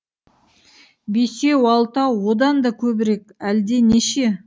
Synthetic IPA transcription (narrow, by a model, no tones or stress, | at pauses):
besewɑlˠt̪ɑwod̪ɑnd̪ɑkʲʰɵbɪɾekʲæld̪e̞neʃe̞